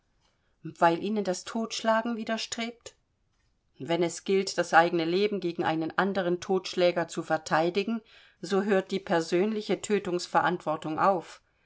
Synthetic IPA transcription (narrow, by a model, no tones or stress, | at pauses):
v̥aɪlʔiːnəndastʰoːtʃlaːɡŋ̩viːdɐʃtʁ̥eːp̚t | vɛnɛsɡ̥ɪltd̥asʔaɪɡənəleːbm̩ɡeːɡŋ̩ʔaɪnənʔandəʁ̞əntʰoːtʃlɛːɡɐt͡sufɛɐtʰaɪdɪɡŋ̩ | zoːɦøːɐt̚d̥iːpʰɛɐzøːnlɪçətʰøːtʊŋsfɛɐʔantv̥ɔɐtʊŋʔa̰ʊf